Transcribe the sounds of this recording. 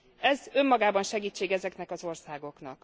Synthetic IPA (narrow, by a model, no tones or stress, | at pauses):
ɛzø̞mːɒɡaːbɒnʃɛɡiːt͡ʃːeːɡɛzɛknɛkɒzo̞rsaːɡo̞knɒ̰k